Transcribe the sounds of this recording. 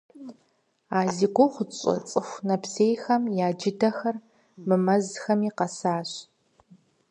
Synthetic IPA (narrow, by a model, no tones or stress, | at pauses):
aːziːɡʷoχʷʊt͡ʃʼɐ̰t͡sʼɨxʷnɐpʰseːjxɐmjaːd͡ʒɪdɐxɐr | mɨmɐzxɐmiːqɐsaːɕ